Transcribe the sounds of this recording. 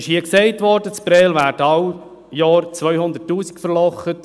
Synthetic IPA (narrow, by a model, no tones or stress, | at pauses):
ɪʃhiəksɛɪtʋɔɾdət͡spɾɛːlʋæːɾdəɑw | jɑːɾt͡sʋœʏhʊnd̪ətːuːsi̥kfəɾlɔχət